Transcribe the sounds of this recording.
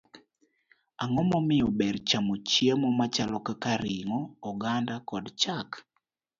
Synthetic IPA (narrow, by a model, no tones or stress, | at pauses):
aŋɔmɔmɪɔbɛrt͡ʃamot͡ʃemɔmat͡ʃalɔkakaɾɪŋɔːɡandakɔdt͡ʃak